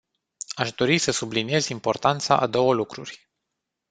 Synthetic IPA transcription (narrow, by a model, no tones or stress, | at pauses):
aʃd̪o̞ɾisəsublinie̞zimpo̞rt̪ant̪sa̰ʔad̪o̞wəlukɾurʲ